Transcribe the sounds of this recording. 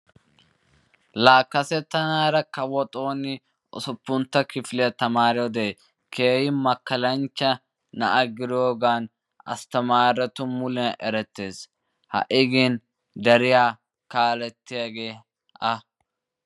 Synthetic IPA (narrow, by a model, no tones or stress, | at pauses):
laːkːɐsɛt̪ːɐnaːɾɐkɐwɔt̪ʼo̞ːnɪ | ʔɔ̰sʊpːʊnt̪ːɐkɪflɛɐt̪ɐmaːɾɛɔd̪ɛɛ | kʰe̞ːhɪmɐkːɐlɐnt͡ʃːɐ | nɐʔɐɡɪɾɪoːɡaːn | ɐ̰st̪ɐmaːɾɛt̪ʊmʊlɛɐʔɛɾɛt̪ːe̞ːs | hɐ̰ʔɪɡen | d̪ɐɾɪjaː | kaːlɛt̪ːɪjaɡe̞ː | ʔɐ